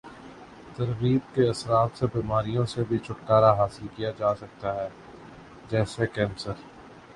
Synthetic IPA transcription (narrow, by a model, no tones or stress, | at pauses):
t̪ɐɾɣiːbkeɐsɾaːt̪sebiːmaːɾijõsebʱit͡ʃʰʊʈːaːɾaɦaːsɪlkijad͡ʒaːsɐk̚t̪aɦɛː | d͡ʒɛːsekɛ̃ːnsəɾ